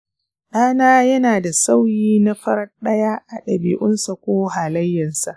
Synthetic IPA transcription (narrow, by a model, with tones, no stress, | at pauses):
ɗaː˦naː˦jɐ˦naː˨da˨sa˦wjiː˦na˦ɸɐ˦ɾɐ˦ɗɐ˦jaː˦ʔa˨ɗɐ˨bḭː˨ʔʊ˦nsa˨kʷoː˦ɦaː˨lɐ˦jːɐ˨nsa˨ʔ